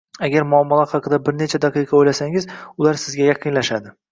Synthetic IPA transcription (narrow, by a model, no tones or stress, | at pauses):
aɡʲaɾmʊɒmːɒlˠahɑqʰɨd̪abɪɾnet͡ʃʰad̪ɑqɨjqʰɑojlasaŋɪzʊlaɾsɪzɡʲajɑqʰɨnlaʃad̪ɪ